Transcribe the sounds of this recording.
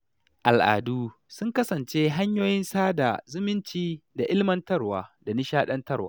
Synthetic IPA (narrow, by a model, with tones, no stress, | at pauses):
ʔa˨lʔa̰ː˨duː˦ | sʊ˦ŋkɐ˦sɐ˨nt͡ʃe˦ɦa˦ɲjoː˦jɪ˦nsaː˦da̰˨zʊ˦mɪ˦nt͡ʃiː˦da˨ʔɪ˦lmɐ˦ntɐ˦rwaː˨da˨nɪ˦ʃaː˦ɗɐ˦ntɐ˦rwaː˦